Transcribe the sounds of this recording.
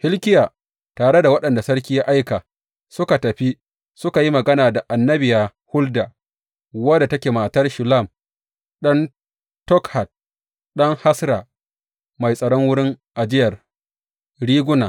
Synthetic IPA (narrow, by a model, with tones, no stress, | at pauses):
hɪ˦lkʲɪ˦jaː˨ | taː˨ɽe˦da˨wɐ˦ɗɐ˨nda˨sɐ˦ɽkʲiː˦ja˦ʔa˦jkaː˨ | sʊ˦ka˨tɐ˨ɸi˦ | sʊ˦ka˨ji˦mɐ˨ɡɐ˦naː˨da˨ʔa˨nːɐ˦bɪ˨jaː˨ | hʊ˦ldaː˨ | wɐ˦da˨tɐ˦kʲeː˨maː˨tɐ˦rʃʊ˨la˦˨m | ɗɐ˦n | tɔ˦kha˨t̚ | ɗɐ˦ŋha˦sɾa˨ | ma˨jsʼɐ˨ɽɔ˦ŋwʊ˦ɽɪ˦ŋʔa˨d͡ʒɪ˦jɐ˨r | ɽiː˦ɡʷʊ˦naː˨